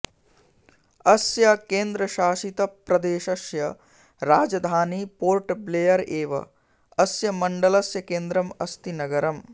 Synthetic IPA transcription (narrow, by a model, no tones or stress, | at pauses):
ɐsjɐkeːnd̪ɾɐʃaːʃit̪ɐpɾɐd̪eːʃɐsjɐ | ɾaːd͡ʒɐd̪ʱaːnipoːɾʈbleːjɐɾeːʋɐ̰ | ɐsjɐmɐɳɖɐlɐsjɐkeːnd̪ɾɐmɐst̪inɐɡɐɾɐm